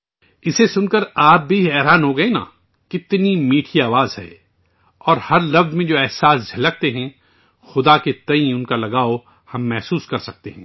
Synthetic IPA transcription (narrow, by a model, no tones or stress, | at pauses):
ɪsesʊnkəɾaːp̚bʱiɛːɾaːnɦoɡɐena̰ː | kɪt̪nimiːʈʰiaːʋaːzɦɛ̰ | ɔːɾhɐɾlɐfzmẽd͡ʒoːɛːɦsaːsd͡ʒʱɐlɐk̚t̪eɦɛ̃ | xʊd̪aket̪ɐ̃ĩʊnkalɐɡaːo | hɐmːɛɦsuːskɐɾsɐk̚t̪ḛɦɛ̃ː